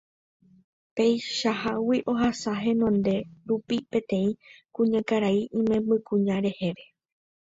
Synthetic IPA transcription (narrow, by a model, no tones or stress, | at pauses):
pe̞jʃaɦawiʔo̞ɦasaɦẽ̞nõ̞nd̪e̞ɾupipẽ̞t̪ẽ̞ĩkũɲãkaɾaiʔĩmẽ̞mbɨkũɲãɾe̞he̞ʋe̞